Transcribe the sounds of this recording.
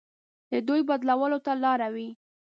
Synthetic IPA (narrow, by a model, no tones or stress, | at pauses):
d̪əd̪ujbad̪lawəlot̪alɑɾawi